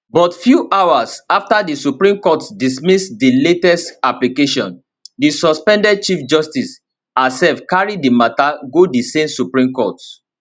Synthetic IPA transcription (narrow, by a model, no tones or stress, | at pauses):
bɔtfjuʔawasaftadisupɹĩmkɔtdismisdiletɛstaplikeʃɔ̃n | disɔspɛ̃ndɛd̚t͡ʃifd͡ʒɔstis | asɛlfkaɹidimataɡodisẽmsupɹĩmkɔt